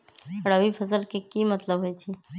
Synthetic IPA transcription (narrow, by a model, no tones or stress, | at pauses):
ɐɽaʋifʰɐsəlkekimɐt̪ləbɦoit͡ʃʰi